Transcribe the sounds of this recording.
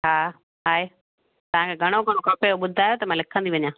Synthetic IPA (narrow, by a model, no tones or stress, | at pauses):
ɦaː | ɦaːe | t̪ɐʋ̤ãkʰeːɡʱɐɽ̃oɡʱɐɽ̃okɐpejoɓʊd̪ʱaːjoːt̪ɐmãlɪkʰə̃nd̪iʋɐɲãː